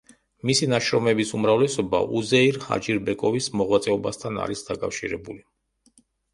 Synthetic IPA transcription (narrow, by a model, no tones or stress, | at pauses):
misinaʃɾɔmɛbisumɾavlɛsɔba̰ʔuzɛiɾha̰d͡ʒiɾbɛkʼɔvismɔʁwat̪sʼɛɔbast̪ʰana̰ɾisd̪akʼafʃḭɾɛbuli